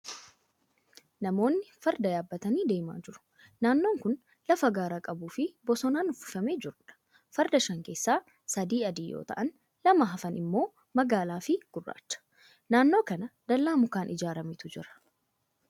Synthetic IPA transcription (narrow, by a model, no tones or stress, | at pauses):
nɐmo̞ːnːɪfɐɾd̪ɐjaːbːɐt̪ɐniːd̪e̞ːma̰ːd͡ʒɪɾʊ̥ | naːnːo̞ːŋkʊn | lɐfɐɡaːɾaːkʼɐbuːfɪbɔsɔnaːnʊfɪ̥fɐme̞ːd͡ʒɪɾʊᶑɐ̥ | fɐɾd̪ɐʃɐŋke̞ːsːaː | sɐd̪iːɐd̪iːjo̰ːt̪ɐ̰ʔɐn | lɐmɐɦɐfɐnɪmːo̞ː | mɐɡaːlaːfɪɡ̥ʊrːa̰ːt͡ʃːɐ̥ | naːnːo̞ːkɐnɐd̪ɐlːaːmʊkaːnʔɪd͡ʒaːɾɐmɪt̪ʊd͡ʒɪ̰ɾɐ̥